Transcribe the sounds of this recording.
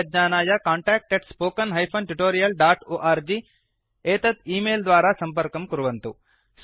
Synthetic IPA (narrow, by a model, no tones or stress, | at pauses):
ɐd͡ʒɲaːnaːjɐkaːɳʈaːk̚ʈeʈspoːkɐnɦɐjpʰɐnʈuʈoːɾijɐlɖaːʈoːʔaːɾd͡ʒiː | eːt̪ɐt̪iːmeːld̪ʋaːɾaːsɐmpɐɾkɐmkɐɾuʋɐnt̪u | s